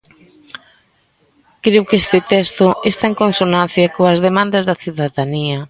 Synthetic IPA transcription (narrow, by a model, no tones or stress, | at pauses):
kɾewkest̪ɪt̪ɛst̪oest̪aeŋkonsonãn̟θjɐkoɐzðemãnd̪ɐzðɐθjuðaðaniɐ